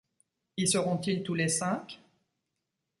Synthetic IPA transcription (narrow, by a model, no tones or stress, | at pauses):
isəʁɔ̃t̪ilt̪ulesɛ̃k